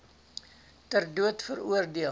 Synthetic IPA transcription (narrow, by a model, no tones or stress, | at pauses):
tərduətfəɾṵərdiə